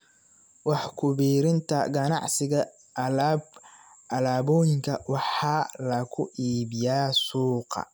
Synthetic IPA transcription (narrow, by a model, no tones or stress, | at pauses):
wɑħkʰʊβiːɾɪnt̪ʰɐɡɐnɑ̰ʕsɪɣɐ | ʔɐlaːb | ʔɐlaːbɔːjɪŋkʰɐwɑħɑːlɐkʰʊʔiːβɪjaːsuːqɑ̰